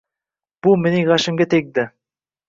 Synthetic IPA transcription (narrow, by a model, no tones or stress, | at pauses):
b̥ulˠmenejʁɑʃɪmɡʲet̪ʰek̚d̪ɪ